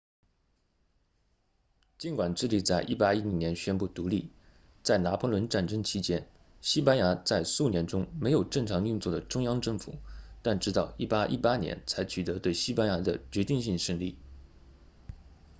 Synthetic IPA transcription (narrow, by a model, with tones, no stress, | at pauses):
t͡ɕi˧˥nkwa˨˩nʈ͡ʂɻ̩˥˧li˥˩t͡sa˥˧ɪʔi˥˩pa˥i˥i˧˥njɛ˧˥nɕɥɛ˥npu˥˩t̪u˧˥li˥˩ | t͡sa˥˩ɪna˧˥pʰɔ˧˥lwə˧˥nʈ͡ʂa˥˩nʈ͡ʂɤ˥ŋt͡ɕʰi˥t͡ɕjɛ˥n | ɕi˥pa˥nja˧˥t͡sa˥˧ɪsu˥˩njɛ˧˥nʈ͡ʂʊ˥ŋme˧˥ɪjo˨˩ʊʈ͡ʂɤ˥˩ŋʈ͡ʂʰɑ˧˥ŋy˥˧nt͡swɔ˥˩d̪ə˩ʈ͡ʂʊ˥ŋjɑ˥ŋʈ͡ʂɤ˥˩ŋfṵ˨˩˦t̪a˥˩nʈ͡ʂɻ̩˥t̪ɑ˥˩ʊi˥˩pa˥ʔḭ˥˧pa˥njɛ̰˧˥nt͡sʰa˧˥ɪt͡ɕʰy˨˩t̪ɤ˧˥t̪we˥˩ɪɕi˥pa˥nja˧˥d̪ə˧t͡ɕɥɛ˧˥t̪i˥˧ŋɕi˥˧ŋʂə˥˧ŋli˥˩